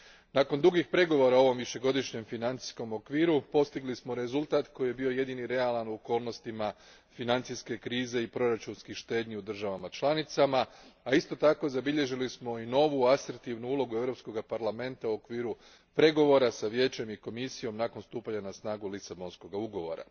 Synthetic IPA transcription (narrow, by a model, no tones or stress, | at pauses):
nako̞nd̪uɡixpɾe̞ɡo̞ʋo̞ɾaoo̞ʋo̞mʋiʃe̞ɡo̞d̪iʃɲe̞mfinant̪i̥sko̞mo̞kʋiːɾupo̞st̪iɡlismo̞ɾe̞zulˠt̪aːt̪ko̞jebio̞je̞d̪iniɾe̞alˠanuoko̞ːlˠno̞st̪ima | finant̪siske̞kɾiːze̞ipɾo̞ɾat͡ʃunskixʃt̪e̞ːd̪ɲiud̪r̩ʒaʋamat͡ʃlˠanit̪samaaist̪o̞t̪ako̞zabiʎe̞ʒilismo̞ino̞ʋuaseɾt̪iʋnuulˠo̞ɡue̞ʋɾo̞psko̞ɡapaɾlˠame̞nt̪auo̞kʋiːɾu | pɾe̞ɡo̞ʋo̞ɾasaʋje̞ːt͡ɕe̞miko̞misijo̞mnako̞nst̪uːpaɲanasnaːɡulisabo̞nsko̞ɡauɡo̞ʋo̰ɾa̰